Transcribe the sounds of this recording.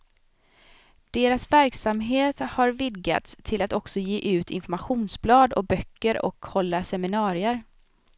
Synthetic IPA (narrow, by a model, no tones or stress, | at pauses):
d̪̥eːɾasvæɾksamɦeːt̪haɾvɪd̪ɡa̰t̪st̪ʰɪlat̪ɔksɔjeːʔʉ̟ːt̪ʰɪ̰nfɔɾmaɧuːnsblɑːd̪ɔ̰k̚bœkːəɾɔ̰khɔlːasɛmɪnɑːɾɪəɾ